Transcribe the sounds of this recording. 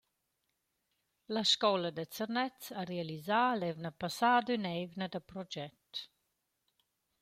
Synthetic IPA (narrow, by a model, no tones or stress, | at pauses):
laʃkɔləd̪ət͡sərnɛt͡saɾealizaːlɛvnəpasaːd̪ynɛvnəd̪əpɾɔd͡ʒɛt